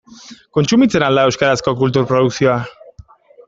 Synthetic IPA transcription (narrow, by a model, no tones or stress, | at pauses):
ko̞nt͡sumit͡se̞nald̪aewskaɾasko̞kult̪̬uɾpɾoð̞uksio̞a